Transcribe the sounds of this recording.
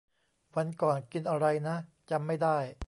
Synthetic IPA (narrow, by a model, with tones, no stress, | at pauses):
wa˧nkɔː˨˩nki˧nʔa˧ɾa˧jna˦˥ | t͡ɕa˧mːa˥˩jdaː˥˩j